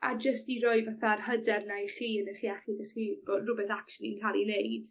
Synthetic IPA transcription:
a̰d͡ʒəstiɾɔɨvaθarhədɛrnajχiːənəχiɛχɪdəχiːb̥oːdrʊbɛθakʃʊlˠḭnkʰalˠilejd̥

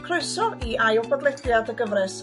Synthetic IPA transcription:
kʰroɨsɔiajɔbɔdlˠɛdjadəɡəvrɨs

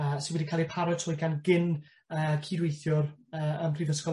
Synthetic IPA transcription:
əsɪnwɛdikʰaːlˠipʰaɾɔtʰʊɨɡanɡɪn | əːkʰidwejθjʊrəːəmpʰrivəskɔ

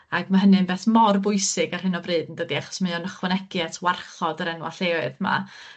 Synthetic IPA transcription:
aɡ̥maɦənɨnbɛːθmɔrbʊɨsɨɡar̥hɨnɔvrɨːdn̩dədiaχɔ̥smaɔnəχwɛnɛɡɨatʰwarχɔdəɾɛnwa̰θeɨðma̰

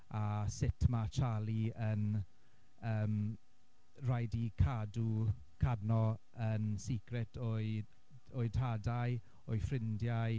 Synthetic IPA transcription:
asɪtʰmat͡ʃʰalˠiən | əːm | rajdikʰadu | kʰadnɔ | ənsikrɛtʰoɨ | oɨdhadaj | ɔɨfrɪndja

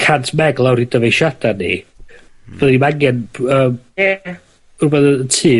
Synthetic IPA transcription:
kʰantʰmɛɡlˠawɾidəvejʃad̥anḭ | v̥əðdimaŋjɛnəːm | ʊrbɛðəətʰiː

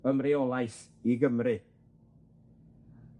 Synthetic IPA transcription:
əmrɪɔlˠajs | iɡəmrɨ

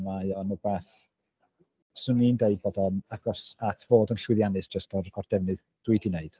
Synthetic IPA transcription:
majɔnubeːθ | sʊnindeɨd̚bɔdɔnaɡ̥ɔsatʰv̥oːdənɬwɪðjanɨsd̥ʒ̥əstɔɔrd̥ɛvnɨð | d̥wɨdineɨd̥

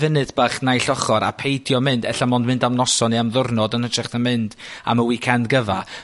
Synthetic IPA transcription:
vɪnɨdbaχnajɬɔχɔɾa̰pʰejdjɔmɨndɛɬamɔndmɪndamnɔsɔniamðʊrnɔdənətrɛχtənmɪnd̥a̰məwikʰandɡəva

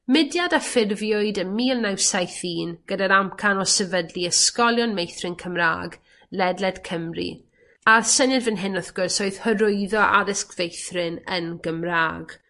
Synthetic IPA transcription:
mɪdjadafɪrvjʊɨdəmiːlˠnawsajθiːnɡ̥ədaɾamkʰanɔsɛvədliəskɔlˠjɔnmejθrɪnkʰəmra̰ːɡ | lɛdlɛd̥kʰəmrḭ | arsənjɨdvɪnɦɪnɔθɡ̥ʊrsɔɨð̥həɾʊɨðɔʔa̰ðɪskv̥ejθrɪnənɡəmraːɡ̥

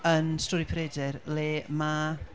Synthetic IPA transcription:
ənstɔːɾipʰɾedɛrleːma

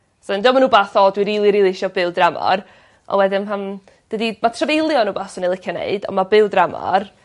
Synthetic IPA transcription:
sɔndɪwɔmanuːbaːθɔdwiɾiːlˠiɾiːlˠiɪʃɔbɪwˠdramɔ̰r | ʔɔ̰wɛdɪnɦan | d̥ədimatʰravejlˠjɔnuːbaːsɔnilˠɪkʰjɔnḛɨdɔ̰mabɨwˠdramɔ̰r

